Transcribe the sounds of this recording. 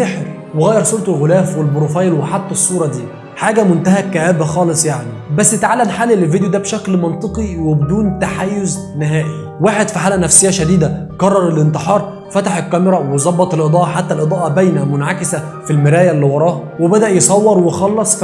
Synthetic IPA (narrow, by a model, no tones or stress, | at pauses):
eħɾ | weɣæːjːɑɾsˤuːɾt̪ˤelɣolæːfwelbɾofɑjlweħat̪ˤːesˤːuːɾˤɑd̪iː | ħaːɡæmʊnt̪æɦækːæʔæːbxɑːlesˤjaʕnibæsːjet̪ʕalːæmħaːlːilvid̪ejod̪æːbʃæklmɑnt̪ˤɨqiwebed̪uːnt̪aħaːjːoznɪɦæːʔi | waːħed̪fiħaːlʔænæfsejːæʃæd̪iːd̪ækɑrˤːɑɾˤelʔɪnt̪eħɑːɾˤ | fæt̪aħekːæmeɾˤɑwezˤɑbːɑt̪ˤelʔed̪ˤɑːʔɑħat̪ːælʔed̪ˤɑːʔɑbæjnæmʊnʕakɪsæ | filmɪɾæːjælːiwɑɾˤɑːh | webæd̪æʔjesˤɑwːɑɾˤwexɑlːɑsˤ